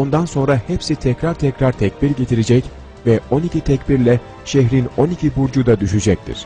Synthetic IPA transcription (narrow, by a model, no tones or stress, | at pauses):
o̞nd̪anso̞nɾahɛpsit̪ʰɛcɾaɾt̪ʰɛcɾaɾt̪ʰɛc̚biɾɟet̪ʰiɾed͡ʒɛc | vɛo̞nicʰit̪ʰɛcbiɾlʲɛ | ʃɛçɾino̞nicʰibuɾd͡ʒud̪ad̪yʃyd͡ʒɛc̚t̪ʰḭɾ̥